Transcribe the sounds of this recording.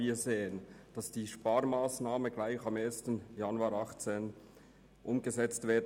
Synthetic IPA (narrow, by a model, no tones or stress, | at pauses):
iːɐzeːənd̥ɑsd̥iːʃpɑːmaːsnaːməɡlaɪxɑmeːɐstənjɑnuaːɾɑχt͡seːn | ʔʊmɡəzɛt͡stv̥eːɐd